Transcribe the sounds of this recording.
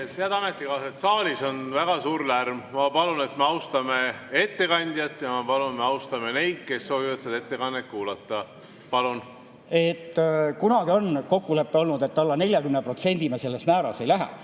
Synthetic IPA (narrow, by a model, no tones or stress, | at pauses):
seæd̪ɑmet̪ːˑikɑːset̪sɑːlʲiso̞nvæɡ̥ɑsuːɾlærmmɑpɑlune̞t̪meɑwst̪ɑmee̞t̪ːe̞kɑnʲd̪̥ʲjɑt̪ːjɑmɑpɑlunt̪meɑwst̪ɑmene̞jd̪̥̚ke̞sːo̞ːvivɑt̪seɑd̪e̞t̪ːekɑnet̪̚kuːlɑt̪ːˑɑ | pɑlun | e̞t̪ːkunɑɡio̞nko̞kːule̞pːeo̞lnud̪e̞t̪ːɑlːɑne̞lʲjɑkymnepro̞t̪se̞nʲd̪̥imese̞lːesmæːɾɑse̞jlæɦæ̰